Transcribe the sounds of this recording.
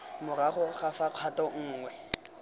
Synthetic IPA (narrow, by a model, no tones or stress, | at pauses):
mʊraχɔχafaq͡χʰatʼɔŋ̩ːŋwɛ